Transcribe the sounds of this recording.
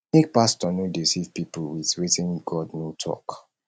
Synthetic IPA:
nek̚pastɔnodesivpipulwiθɹetɛ̃nɡɔdnotʰɔ̰k

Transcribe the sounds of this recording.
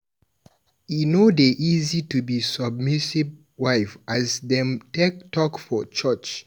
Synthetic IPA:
inodeʔizitubisəb̚misiv | waɪfʔazdɛ̃mtek̚tɔkfɔt͡ʃət͡ʃ

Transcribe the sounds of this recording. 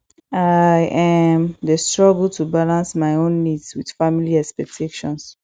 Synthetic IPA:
ajʔamdəstɹɔɡl̩tʰubalãnsmaɪõnːidswid̥familiɛspɛk̚tʰeʃɔ̰̃ns

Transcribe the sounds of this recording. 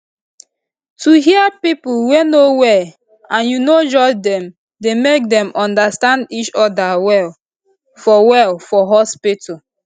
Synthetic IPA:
tuɦiəpipulwenowɛ | ãnjunod͡ʒɔd͡ʒdɛ̃m | demek̚dɛ̃mʔɔ̃ndastãndit͡ʃɔdawɛl | fɔwɛlfɔɦɔspitu

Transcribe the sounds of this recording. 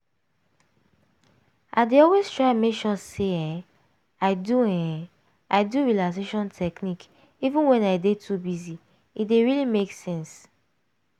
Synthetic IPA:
ʔa̰ɪdeɔlwestɹaɪmekʃɔseɛ̃ | aɪduɛ̃ | ʔaɪduɹilakseʃɔ̃ntʰɛknik | ivũnwɛ̃naɪdetʰubizi | ideɹilimeksɛ̃ns

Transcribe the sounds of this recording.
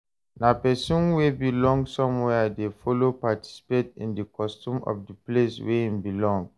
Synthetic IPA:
napɛsũnwebilɔ̃ŋɡsɔ̃mwɛdefɔlopatʰi̥si̥petḭ̃ndəkɔstũmɔ̰fdəplesweĩmbilɔ̃ŋ

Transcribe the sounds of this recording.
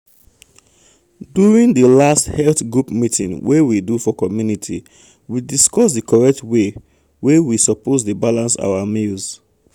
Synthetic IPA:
djuɹĩndəlasthɛltɡɹupmitʰĩnwewidufɔkɔmjunitʰi | widiskɔsdəkʰɔɹɛk̚twe | wewisɔpozdəbalãnsa̰wamilz

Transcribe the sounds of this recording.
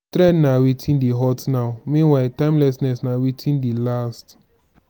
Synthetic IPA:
tɾɛdnawitʰĩndiɦɔtnaʊmĩnwaɪtãɪ̃mlɛsnɛsnawitʰĩndilast

